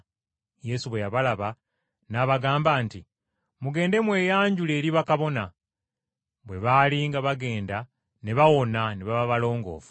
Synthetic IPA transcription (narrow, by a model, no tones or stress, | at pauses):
je̞suβwe̞jaβalaβa | naːβaɡaːmbaːnti | muɡe̞ːnde̞mwe̞ːjaːɲɟule̞ːɾiβakaβo̞na | βwe̞βaːliŋɡaβaɡe̞ːnda | ne̞βawo̞naneβaβaβalo̞ːŋɡo̞̰ːfu̥